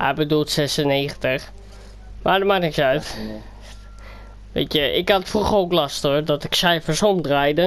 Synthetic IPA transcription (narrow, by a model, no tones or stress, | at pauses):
ɛ̰bədulˠtsɛsəneːxəntəx | madəmanɪksœɥt | ʋḛːtjəʔɪ̰katətfruxəoːklastədɔtɪksɛjfəsomdrɛjdə